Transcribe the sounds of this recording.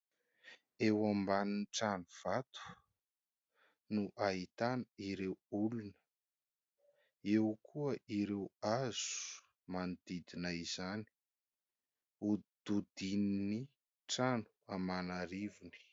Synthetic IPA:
ewambaniniʈ͡ʂanuv̥at̪u̥ | nuʔait̪anəiɾewulunə̥ | ewkʰuəʔiɾewaz̥u | mand̪̥id̪inaizani̥ | ud̪̥ud̪inini | ʈ͡ʂanu̥amanaɾivini̥

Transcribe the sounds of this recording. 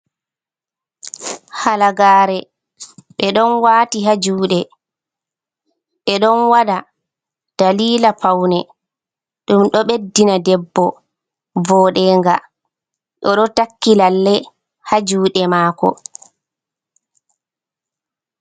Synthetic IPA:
halaɡaːɾɛ | ɓɛɗɔnwaːtiɦad͡ʒuːɗɛ | ɓɛɗɔnwaɗa | d̥aliːlapawnɛ | ɗumɗɔɓedːinadɛbːɔ | vɔːɗɛŋɡa̰ | ɗɔɗɔtakːilalːɛ | had͡ʒuːɗɛmaːkɔ̰

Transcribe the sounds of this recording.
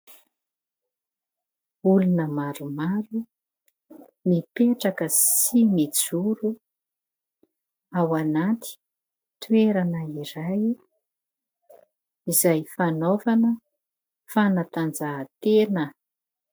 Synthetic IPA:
ulunəmaɾumaɾu | nipeʈ͡ʂakəsimid͡zuɾu | awanat̪i̥ | t̪ueɾanəiɾaj | izajfanovanə | fanat̪and͡zat̪enə

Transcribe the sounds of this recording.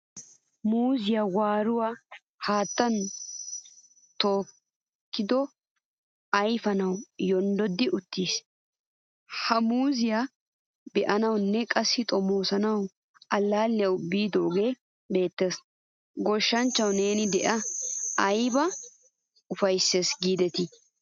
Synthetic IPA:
muːzɪjawaːɾʊwaː | haːt̪ːɐn | t̪o̞ːk | kːɪd̪ɔ | ɐjfɐnɐwjɔnd̪ɔd̪ːɪʔʊt̪ːiːs | hɐmuːzɪja | bɛʔɐnɐwnːɛkʼɐsːɪt̪ʼɔmoːsɐnɐw | ɐlːaːlːɪjɐwbiːd̪o̞ːɡe̞ː | be̞ːt̪ːe̞ːs | ɡɔʃːɐnt͡ʃːɐwne̞ːnɪd̪ɛʔɐɐjbɐ | ʊfɐjsːe̞ːsɡiːd̪ɛt̪ɪ

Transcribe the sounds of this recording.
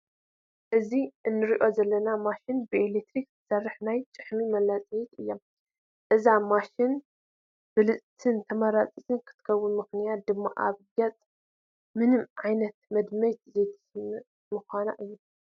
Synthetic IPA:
ʔɨziʔɨnːɨɾiʔo̞zɐlːɐnamaʃinbɨʔelek̚t̪ɾiktɨ̥sɐrːɨħnajt͡ʃʼɨħmimɐlːat͡sʼijit̪ɨjːom | ʔɨzamaʃɪn | b̥ɨlɨt͡sʼt̪ʰɨnt̪ʰɐmɐɾat͡sʼit̪ɨnkʰɨ̥t̪ʰɨ̥kʰɐwːʊnmɨxnijat̪̚d̪ɨmːaʔaβɡɐt͡sʼ | mɨnɨmʕajnɐt̪̚mɐd̪mɐjt̪zejt̪ʰi̥m | mɨxʷana̰ʔɨjːu

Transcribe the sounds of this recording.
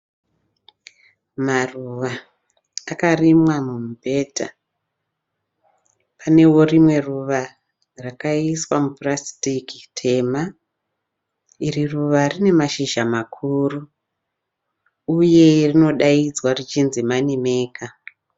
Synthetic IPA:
maruʋaː | karimwamumbʱe̞ːta̰ | pane̞wo̞rimwe̞ruʋa | rakaiswamuprasi̥tiki̥tʰe̞ma | iriruʋarine̞maʃiʒamakʰuːru | uje̞rino̞ɗaid͡zwarit͡ʃinzimanime̞ːkʰa

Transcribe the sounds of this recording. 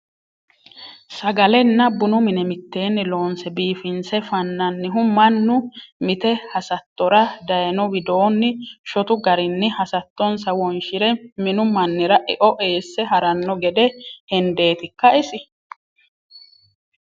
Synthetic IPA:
sɐɡɐlɛnːɐbʊnʊmɪnɛmɪt̪ːe̞ːnːɪlo̞ːnsɛbiːfɪnsɛfɐnːɐnːɪɦʊmɐnːʊmɪt̪ɛhɐsɐt̪ːɔɾɐd̪ɐjɛnɔwɪd̪o̞ːnːɪʃɔt̪ʊɡɐɾɪnːɪhɐsɐt̪ːɔnsɐwɔnʃɪɾɛmɪnʊmɐnːɪɾɐʔɛʔɔʔe̞ːsːɛɦɐɾɐnːɔɡɛd̪ɛhɛnd̪e̞ːt̪ɪkːɐɪsɪ

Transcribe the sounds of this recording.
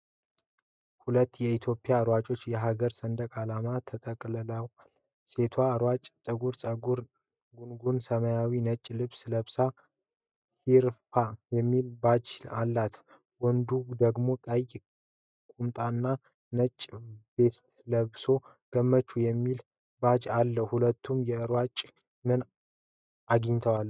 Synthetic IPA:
hulət̪ːjɛit̪ʰjo̞pʼijaɾwat͡ʃʼo̞t͡ʃːjɛɦaɡəɾsənd̪əkʼalamat̪ʰət̪ʼəkʼlɨləw | se̞t̪ʰwaɾwat͡ʃʼt͡sʼəɡuɾsʼəɡuɾ | ɡunɡunsəməjawinət͡ʃʼːlɨβsləβsa | hiɾfajɛmːilbad͡ʒalːat̪ | wɔnd̪ud̪əɡmo̞kʼəj | kʼumt̪ʼanːa | nət͡ʃʼːbe̞st̪ləβso̞ | ɡ̥əmːət͡ʃːujɛmːil | bad͡ʒalːəhulət̪ʰːumjɛɨɾwat͡ʃʼ | mɨn | ʔaɡɨɲt̪ʰəwalː

